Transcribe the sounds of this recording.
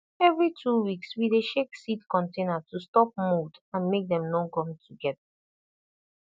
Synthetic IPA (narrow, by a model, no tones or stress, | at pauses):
ɛvɹitʰuwikswideʃeksitkɔ̃ntẽnatustɔp̚mudãnmek̚dɛ̃mnokɔ̃mtuɡɛda